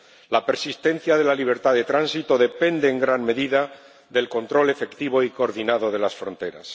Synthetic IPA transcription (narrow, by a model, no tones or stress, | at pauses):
lape̞ɾsist̪e̞n̟θjað̞e̞laliβ̞e̞ɾt̪aðe̞t̪ɾansit̪o̞ðe̞pe̞nd̪eːŋɡɾanme̞ðiða | ðe̞lko̞nt̪ɾo̞le̞fe̞kt̪iβ̞o̞iko̞ːɾðinaðo̞ðe̞lasfɾo̞nt̪e̞ɾa̰s